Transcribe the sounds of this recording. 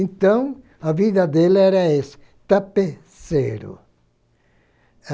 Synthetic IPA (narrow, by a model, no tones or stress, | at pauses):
nt̪ɐ̃w̃ | ɐvid̪ɐd̪elɪɛɾɐesɪ̥ | t̪ape | sḛɾʊ̰